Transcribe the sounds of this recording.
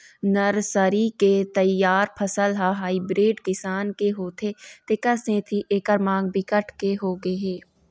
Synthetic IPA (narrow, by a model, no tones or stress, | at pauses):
nɐɾsəɾiket̪ɐjaːɾpʰəsəlɦaɦaːibɾeːɖkɪsaːnkeɦoːt̪ʰet̪ekəsẽːt̪ʰiʔeːkəɾmãːŋɡ̚bɪkəʈʰkeɦoːɡeɦeː